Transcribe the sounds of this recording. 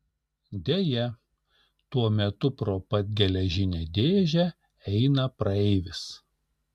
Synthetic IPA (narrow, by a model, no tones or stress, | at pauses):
d̪ʲejɛ | t̪uɔmʲɛt̪ʊpɾoːpɐt̪̚ʲɡʲɛlʲɛʒʲɪnʲed̪ʲeːʒʲɛ | ɛɪnɐpɾɐɛɪʋʲɪs